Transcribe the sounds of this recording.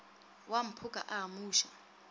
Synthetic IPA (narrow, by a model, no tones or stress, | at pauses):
wam̩pʰukʼa̰ʔamuːʃa